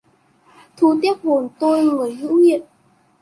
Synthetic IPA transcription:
t̪ʰu˧˦t̪̬i˦˥əp̚ho˨˩nt̪o˧jŋɨ˨˩əjzɨ̰˧˥hḭ˧˨ən

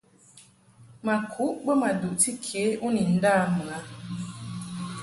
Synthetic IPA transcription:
ma˨kʰu˦ʔbə˦ma˨du˨ʔti˦kʰe˨˦ʔu˦ni˨n̩˦daː˦˨m˨a˦

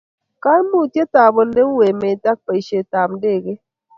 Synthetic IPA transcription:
ka˦n˦mu˦˨tje˦ta˨bo˨le˦ŋ˦we˨me˨ta˦k̚pe˨i˨ʃe˨ta˨mde˦˨ɡe˦

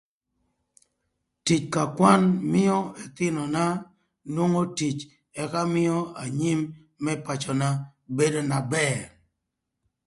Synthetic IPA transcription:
ti˨t͡ʃka˨kwa˦nmɪ˦ɔ˦ɛ˨t̪ɪ˦nɔ˨na˦ | nwo˦ŋo˦ti˨t͡ʃ | ɛ˨ka˦mɪ˦ɔ˦a˨ɲi˦mː | ɛ˦pa˨t͡ʃɔ˨na˦be˦do˦na˨bɛ˦˨ɾ

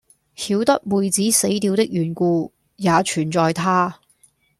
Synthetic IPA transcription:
hiː˨˥wt̪ɐ˥k̚muː˨jt͡siː˨˥se˨˥jt̪iː˨˧wt̪ɪ˥k̚jyː˨˩nkuː˧ | jaː˨˧t͡ʃʰyː˨˩nt͡sɔː˧jt̪ʰaː˥

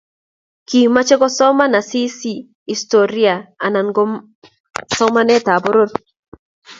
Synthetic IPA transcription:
ki˨ma˦t͡ʃe˦ɡɔ˦sɔ˦ma˦na˨si˦si˦ | i˨sto˨ɾi˦a˨a˨na˨nɡɔ˦ | sɔ˦ma˦nɛ˦ta˨bo˦ɾo˦t

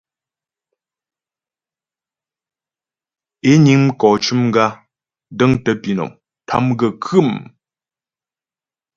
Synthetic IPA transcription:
e˦ɲi˨˦ŋm̩˦kɔː˨t͡ʃu˦mŋ˦ɡa˦ | də˦ŋtə˨pi˨nɔ̰˨ŋ | tʰa̰˦mɡə˨kʰɨ˦˨m

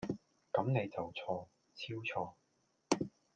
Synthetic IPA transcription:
kɐ˨˧˥mne˨˧jt͡sɐ˨wt͡sʰɔː˧ | t͡sʰiː˥wt͡sʰɔː˧

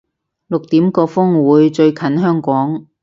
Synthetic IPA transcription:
lʊ˨k̚t̪iː˨˥mkɔː˧fʊ˥ŋwuː˨˧jt͡ʃɵ˧ɥkʰɐ˨˥nɦœː˥ŋkʷɔː˨˥ŋ

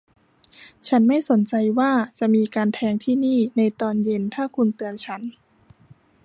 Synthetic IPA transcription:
t͡ɕʰa˦˥nma˥˩jso˩˦nt͡ɕa˧jwaː˥˩t͡ɕa˨ʔmiː˧kaː˧nt̪ʰɛː˧ŋt̪ʰiː˥˩niː˥˩na˧jt̪ɔː˧nje˧nt̪ʰaː˥˩kʰu˧nt̪ɯ˧ənt͡ɕʰa˦˥n

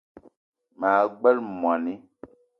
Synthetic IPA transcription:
ma˨ɡ͡bɛ˦lmwa˨ni˦

